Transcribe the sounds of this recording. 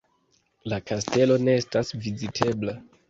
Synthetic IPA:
lakaste̞lo̞ne̞estasvizitʰe̞bla

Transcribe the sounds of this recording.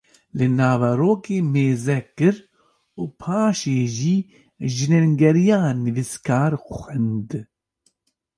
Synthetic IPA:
lɨnaːvɛɾoːkeːmeːzɛkːɨɾ | uːpʰaːʃeːʒiː | ʒɨnɛŋɡɛɾijaːnɨviskʰaːɾxʷɛnd̪

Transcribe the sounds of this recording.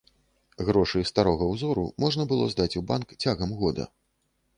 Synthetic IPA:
ɣɾɔʂɨjst̪aɾɔɣɐwzɔɾṵmɔʐnɐbɨlˠɔ̰zd̪at͡sʲubankt͡sʲaɣɐmɣɔd̪ɐ̰

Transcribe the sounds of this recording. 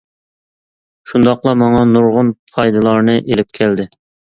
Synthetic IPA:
ʃund̪ɑqlˠɑmɑŋɑnuɾʁʊnpʰɑjd̪ɨlˠɑɾnɨʔelɪp̚kʲʰæld̪ɪ

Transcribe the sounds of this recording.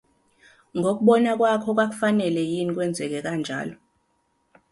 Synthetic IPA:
ŋʱok̬uɓɔnak̬ʼwakʰɔk̬wak̬u̥fanɛlɛjinik̬wɛnd͡zʱɛk̬ɛk̬and͡ʒʱa̰ːlɔ

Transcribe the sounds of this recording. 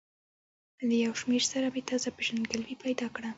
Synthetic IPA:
ləjawʃmeɾsaɾɑbet̪azapeʒand̪ɡalwipajd̪ɑkɽa

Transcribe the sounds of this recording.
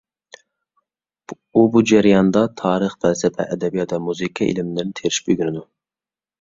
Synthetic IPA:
ubud͡ʒæɾjɑnd̪ɑt̪ʰɑːɾəχpʰɛlsɛpʰɛ̰ʔɛd̪ɛbijɑd̪ɑmuzikʰɑʔḭlɪmɪd̪ɪnt̪ʰeɾɪʃbyɡʲyɾɪd̪u

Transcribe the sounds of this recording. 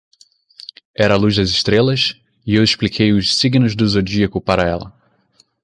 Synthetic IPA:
ɛɾɐːluzd̪ɐzɪʃt̪ɾelɐs | iewɪʃplikʰejʊssiɡnʊzd̪ʊzod͡ʒiɐkʊpaɾɐɛlɐ̰

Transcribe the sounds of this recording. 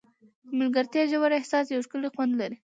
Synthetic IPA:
mɪlɡaɾt̪jɑʒawaɾɪhsɑsjawʃkəlixwand̪laɾi

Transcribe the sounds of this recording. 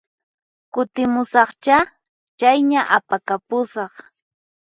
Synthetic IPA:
kʊt̪ɪmʊsɑχt͡ʃa | t͡ʃajɲaʔapakapʊsɑχ

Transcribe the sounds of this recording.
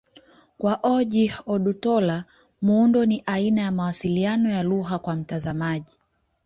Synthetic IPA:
kwaʔɔʄiɔɗutɔla | muundɔniʔainajamawasilianɔjaluɦakwam̩tazamaʄi

